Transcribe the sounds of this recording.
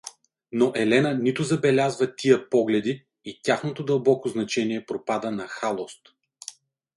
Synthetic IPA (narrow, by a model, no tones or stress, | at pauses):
noʔɛlɛnənit̪ʊzɐbɛlʲazvət̪ijəpɔɡlɛd̪iː | t̪ʲaxnot̪od̪ɐlˠbɔkoznɐt͡ʃɛniɛpɾopad̪ənɐxalˠost̪